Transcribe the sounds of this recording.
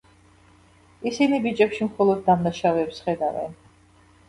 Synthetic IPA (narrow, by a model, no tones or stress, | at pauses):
isinibit͡ʃʼɛpʃimχɔlˠɔd̪̚ːamnaʃavɛːpsχɛd̪avɛ̰n